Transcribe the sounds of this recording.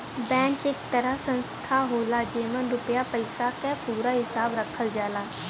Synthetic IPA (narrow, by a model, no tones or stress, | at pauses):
bɛ̃ːnt͡ʃekt̪əɾasə̃nst̪ʰaːɦoːlaːd͡ʒeːmənɾʊpjapəɪsakepuːɾaɦɪsaːbɾəkʰəld͡ʒaːlaː